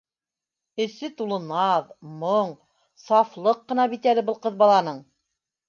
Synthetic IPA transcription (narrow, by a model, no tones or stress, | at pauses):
ɘ̆sɘt̪ulˠɤ̆nɑðmoɴ | sɑflˠɤqːɤ̆nɑbit̪ælɘbɤlˠqɤ̆ðbɑlˠɑnɤɴ